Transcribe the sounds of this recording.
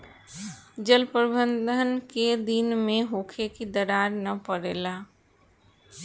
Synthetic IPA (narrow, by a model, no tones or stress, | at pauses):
d͡ʒəlpəɾbənd̪ʱənked̪inmẽɦoːkʰekid̪əɾaːɾnəpəɾeːla